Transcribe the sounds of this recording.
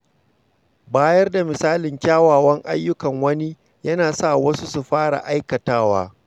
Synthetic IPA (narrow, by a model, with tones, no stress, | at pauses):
baː˦jɐ˦rda˨mɪ˨saː˦lɪ˨ŋkʲaː˦waː˨wɐ˦ŋʔa̰˦jːʊ˦kɐ˨ŋwɐ˦ni˦ | jɐ˦naː˨sa˦˨wɐ˦su˦su˨ɸaː˦ɽa̰˨ʔa˦jkɐ˨taː˦wa̰ː˦